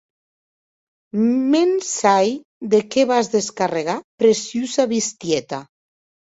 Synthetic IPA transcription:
mensaj | d̪ekeβazðeskareɣ̞apɾesjuzaβist̪jet̪a

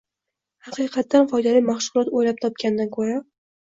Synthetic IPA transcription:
hɑqʰɨqʰɑt̪ːanfɒjd̪alijmaχʃʊlˠɒt̪ojlap̚t̪ʰɒp̚kʲand̪ankʰɵɾa

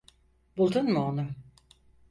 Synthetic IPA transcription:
b̥ulˠd̪unmuonʊ

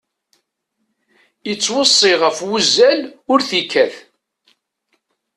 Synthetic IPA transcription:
ət͡sːwəsˤːiʁəfwuzːælʊɾθikːæθ

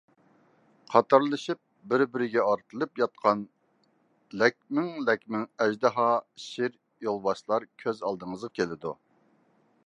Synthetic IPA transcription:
qʰɑt̪ɑɾlˠɨʃip̚bɪɾbɪɾɪɡʲɛɑɾt̪ʰɨlˠɨpjɑt̪̚qʰɑn | lɛk̚ʲmɪŋlɛkʲmɪŋɛʒd̪ɨɦɑʃɪɾ | jolˠbɑʃlˠɑɾkʲʰøzɑlˠd̪əŋəzʁɑkʲʰelɪd̪ṵ

